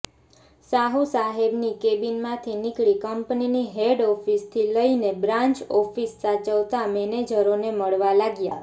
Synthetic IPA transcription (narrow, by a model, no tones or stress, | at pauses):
saɦusaɦebnikebinmãt̪ʰinɪkɭikəmpniniɦeɖɔfist̪ʰiləinebɾãɲt͡ʃɔfisːat͡ʃəʋt̪amɛned͡ʒəɾoneməɭʋalaɡja̰